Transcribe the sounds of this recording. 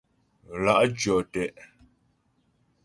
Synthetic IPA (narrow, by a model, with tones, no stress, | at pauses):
la˨ʔd͡ʒjɔ˨tɛ˨ʔ